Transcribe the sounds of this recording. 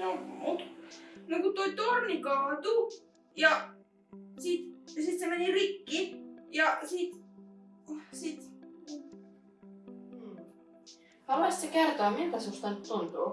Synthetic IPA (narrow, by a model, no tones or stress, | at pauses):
nomut̪nɑɡut̪ojt̪ornʲikɑːd̪u | jɑ | siːt̪jɑsiːt̪semænʲiɾikːijɑsiːt̪ | siːt̪ | ɑlɑst̪ekerd̪ɑmind̪ɑsust̪ɑnt̪ːund̪u